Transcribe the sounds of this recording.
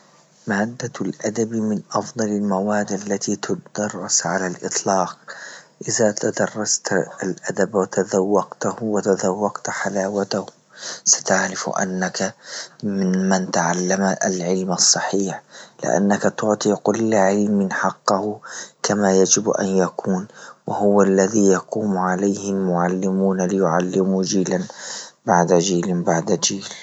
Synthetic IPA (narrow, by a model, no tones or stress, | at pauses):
maːd̪ːalʔad̪abmɪnʔɑfd̪ˤɑlalmawaːd̪ʔalːat̪it̪ʊd̪ɑrˤːɑsʕalalʔɨ̰t̪ˤlɑːq̚ʔɪðat̪ad̪ɑrˤːɑst̪lʔad̪abwat̪aðawːɑqt̪ahwat̪azawːɑqt̪ħalaːwat̪ah | sḁt̪aʕɾɪfʔa̰nːakamɪnmant̪aʕalːamalʕɪlmɑsˤːɑħiːħlɪ̰ʔa̰nːakat̪ʊʕt̪ˤiːqʊlːʕɪlmɪnħɑqːɑhʊkamajad͡ʒɪbʔa̰njakʰuːnwɪhʊwalːaðiːjɑquːmʕalajhɪlmʊʕalːɪmuːnalɪjʊʕalːɪmud͡ʒiːlanbaʕd̪ad͡ʒiːlbaʕd̪ad͡ʒiːl